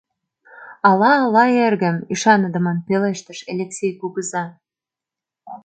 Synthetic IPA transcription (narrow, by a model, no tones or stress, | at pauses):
ɑlɑːlɑerɣə̆miʃɑnə̆d̪ə̆mɑnpeleʃt̪ə̆ʃelʲeksʲejkuɣəzɑ